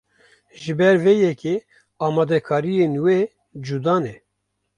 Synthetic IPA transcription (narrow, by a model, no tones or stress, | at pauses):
ʒɨbɛɾvejɛke | ɑːmɑːd̪ɛkʰɑːɾijenwe | d͡ʒud̪ɑːnɛ